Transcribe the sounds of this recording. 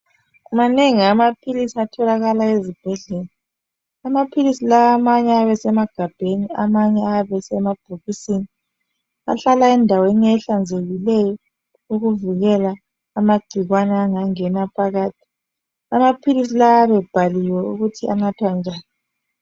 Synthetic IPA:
umaneŋiamapʰilisiatʰɔlaɣalaezib̥ʱɛɮɛla | amapʰilisilaːmaɲɛaβɛsɛmaɡ̥ʱab̥ʱenia̰maɲɛaβɛsɛmab̥ʱuɣisini | a̰ɬalaɛndʱaweniɛɬand͡zʱeɣilɛjɔ | uɣuviɣɛlaː | maɡ͡ǀ̥ʱiɣwanɛaŋaŋɛnapʰaɣaːtʰi̥ | amapʰilisilaaβɛb̥ʱaliwɛuɣutʰiʔa̰natʰwand͡ʒʱaːni

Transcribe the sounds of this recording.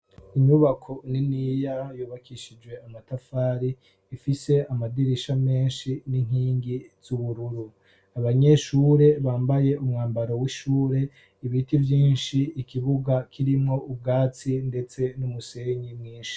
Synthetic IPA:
iɲuβakʰo̞ninijajuːβakʰiʃid͡ʒɡwe̞amatafaːɾiː | fise̞amadiɾiʃame̞ːnʃiniŋ̥hiːŋɡiz̥uβuɾuɾu | aβaɲe̞ʃuːɾe̞βaːmbaje̞ʔumŋaːmbaɾo̞wiʃuːɾe̞ | iβitivjiːnʃiikʰiβuɡakʰiɾimŋo̞ub̚ɡaːt͡sinde̞t͡se̞numuse̞ɲimŋiːnʃi̥

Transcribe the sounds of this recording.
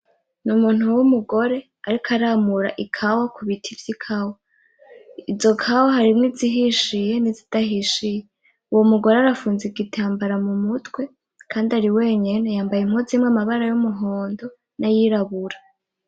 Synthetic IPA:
numuːn̥uwumuɡo̞ɾe̞ | aɾikʰaɾaːmuɾa̰ʔikʰawakuβitʰivjikʰawo | izo̞kʰawoɦaɾimŋiziɦiʃije̞nizitaɦiʃije | uwomuɡo̞ɾe̞aɾafuːnziɡitʰaːmbaɾamumutwe̞ | kʰaːndaɾiwe̞ːɲe̞nejaːmbajim̥ozimŋamaβaɾajumuɦo̞ːndo̞ | najiɾaβuɾa

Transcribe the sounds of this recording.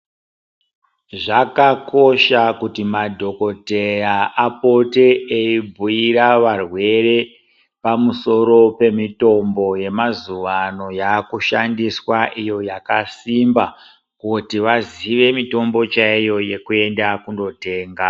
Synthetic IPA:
ʐakako̞ʃakutimadʱo̞ko̞tejaʔapo̞te̞eibʱuiɾaʋarwe̞re̞ | pamuso̞ɾo̞pe̞mito̞mbo̞je̞mazuʋano̞jakuʃandiswaʔijo̞jakasimba | kutiʋaziʋe̞mito̞mbo̞t͡ʃaijo̞je̞kue̞ndakundo̞te̞ːŋɡa

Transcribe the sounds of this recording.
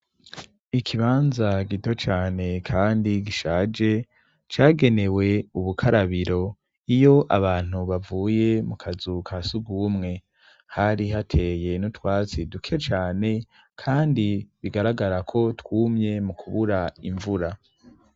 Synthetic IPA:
ikʰiβaːnzaɡito̞t͡ʃaːne̞kʰaːndiɡiʃaːd͡ʒe̞ | t͡ʃaːɡe̞ne̞we̞uβukʰaɾaβiɾo̞ | ijo̞ʔaβaːn̥uβavuːje̞mukʰazukʰasuɡuːmŋe̞ | haɾiɦatʰe̞je̞nutwaːt͡sidukʰet͡ʃaːne̞ | kʰaːndiβiɡaɾaɡaɾakʰo̞twuːmɲe̞mukʰuβuɾaiɱvuɾa

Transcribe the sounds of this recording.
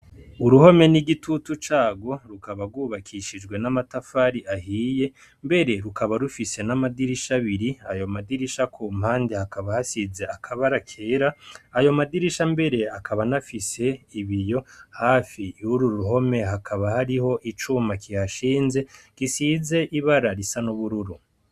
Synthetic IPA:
uɾuho̞me̞niɡitʰutut͡ʃaːɡo̞ɾukaβaɾɡuβakʰiʃid͡ʒɡwe̞namatafaɾiʔahiːje̞ | mbe̞ɾe̞ɾukaβaɾufise̞namadiɾiʃaβiɾiajo̞madiɾiʃakʰuːmhaːndehakaβahasize̞akʰaβaɾakʰeɾaːjo̞madiɾiʃambe̞ɾe̞akʰaβanafise̞iβijo̞haːfiuɾuɾuɦo̞me̞hakʰaβahaɾiho̞ʔit͡ʃumakʰihaʃiːnze̞kisiːze̞ʔiβaɾaɾisanuβuɾuɾu

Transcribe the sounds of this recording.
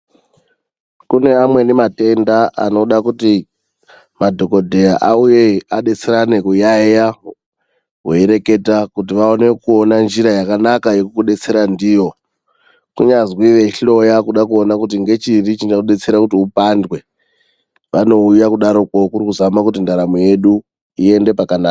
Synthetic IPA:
kune̞amwe̞nemate̞ndaʔa̰no̞ɗakuti | madʱo̞ko̞dʱe̞aʔaujeaɗet͡seɾanekujaeja | ɦweeɾe̞ke̞takut̬iʋaone̞kuo̞nand͡ʒiɾajakanakajekukuɗe̞t͡se̞ɾandijo̞ | kuɲazwiʋe̞ɬo̞jakuɗakuonakut̬iŋɡe̞t͡ʃirit͡ʃiaɗe̞t͡se̞ɾakutiupandwe̞ | ʋano̞ujakuɗaɾo̞kokuɾikuzamakutindaɾamoje̞ɗu | ie̞nde̞pakanaːka

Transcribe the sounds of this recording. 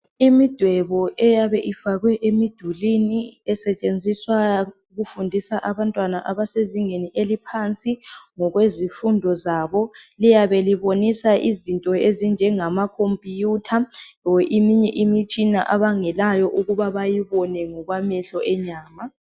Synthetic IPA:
imid̥ʱwɛβɔʔɛjaβɛʔifaɣwɛʔemid̥ʱuliniɛsɛt͡ʃʼend͡zʱiswa | ɣufundʱisaʔaβantʼwanaʔaβaseziŋeniʔelipʰant͡sʼiŋɔɣwezifundʱɔzaβɔlijaβeliβonisaʔizintʼɔezind͡ʒʱɛŋamakʰompʼijutʰaʔimiɲɛʔimit͡ʃʼina̰ʔaβaŋɛlajɔʔuɣuβaβajiβɔnɛŋɔɣwamɛɬɔʔɛɲaːma

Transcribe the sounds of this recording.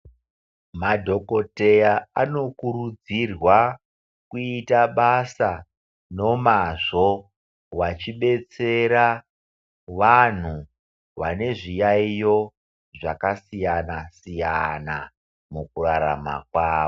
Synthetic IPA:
madʱo̞ko̞te̞jaano̞kuɾud͡zirwa | kuitaɓasa | no̞maʐo̞ | wat͡ʃiɓe̞t͡se̞ɾa | ʋan̤u | ʋane̞ʐijaijo̞ | ʐakasijanasijana | mukuraɾa̰ma̰kwaːʋo

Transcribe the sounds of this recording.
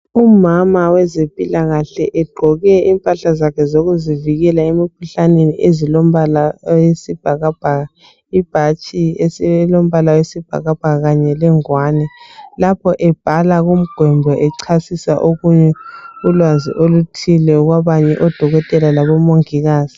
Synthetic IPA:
umamawɛzempʼilaɣaɬɛʔɛɡ͡ǃʱɔɣɛimpʼaɬazakʰɛzoɣuziviɣɛlaemikʰuɬaneniʔezilom̩βalawesib̥ʱaɣab̥ʱaɣa | ib̥ʱat͡ʃʼiesilom̩βalawesib̥ʱa̰ɣab̥ʱaɣaɣaɲɛlɛŋwanɛlapʰɔʔɛb̥ʱalaɣum̩ɡ̥ʱwɛmbʱɔʔɛǀʰasisa̰ʔoɣuɲɛulwazḭʔolutʰilɛuɣwaβaɲɛʔɔd̥ʱɔɣɔtʼɛlalaβɔmoŋiɣaːzi

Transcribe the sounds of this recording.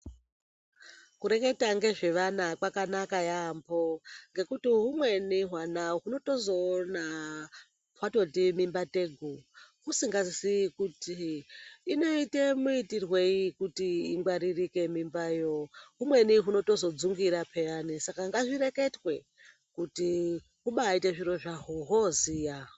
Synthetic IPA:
kuɾe̞ke̞taŋɡe̞ʐe̞ʋanakwakanakajambo̞ŋɡe̞kutiɦumwe̞niɦwanaɦuno̞to̞zo̞ːna | wato̞timimbateɡʱuɦusiŋɡazisikutiː | no̞ite̞muitirwe̞ikutiiŋɡwaɾirike̞mimbajo̞ɦumwe̞niɦuno̞to̞zo̞d͡zuŋɡiɾapʰe̞janisakaŋɡaʐire̞ke̞twe̞ | kuti | ɦuɓaːiteʐiɾo̞ʐaɦoɦoziːja

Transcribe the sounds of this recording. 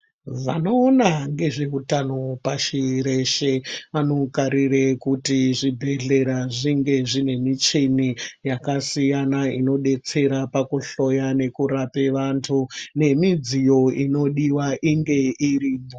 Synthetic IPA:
ʐanoːnaŋɡe̞ʐe̞utanopaʃiɾe̞ʃeanokaɾirekutiʐibʱe̞ɮe̞ɾaʐiŋɡe̞ʐine̞mit͡ʃinijakasijanaino̞ɗe̞t͡se̞ɾapakuɬo̞jane̞kuɾapeʋantʰune̞mid͡zijo̞ino̞ɗiwaʔiŋɡe̞iriːmo

